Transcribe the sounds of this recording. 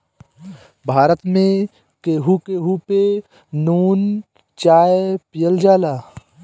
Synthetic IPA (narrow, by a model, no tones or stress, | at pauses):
bʱaːɾət̪mẽ | keːɦukeːɦupe | nuːn | t͡ʃaːepɪjəld͡ʒaːlaː